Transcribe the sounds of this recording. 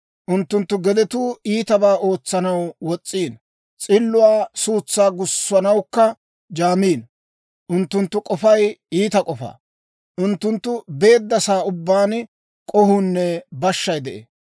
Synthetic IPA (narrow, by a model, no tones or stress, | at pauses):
ʔʊnt̪ːʊnt̪ːʊɡɛd̪ɛt̪uːiːt̪ɐbaːʔo̞ːt͡sːɐnɐwwɔt͡sʼːiːn | t͡sʼɪlːʊwaːsuːt͡sːaːɡʊsːɐnɐwkːɐ | d͡ʒaːmiːn | ʔʊnt̪ːʊnt̪ːʊkʼɔfɐjiːt̪ɐkʼɔfa̰ː | ʔʊnt̪ːʊnt̪ːʊbe̞ːd̪ːɐsaːʊbːaːn | kʼɔhʊnːɛbɐʃːɐjd̪ɛʔḛː